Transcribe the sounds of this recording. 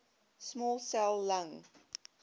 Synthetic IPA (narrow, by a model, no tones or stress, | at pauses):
smɔlˠsɛlˠːãŋ